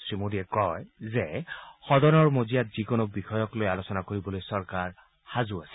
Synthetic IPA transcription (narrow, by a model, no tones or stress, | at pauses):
sɹimodiɛkɔjzɛxɔdɔnɔɹmozijatz̥ikonɔk̚bixɔjɔklojalosɔnakoɹibɔlojsɔɹkaɹ | xazuasɛ̥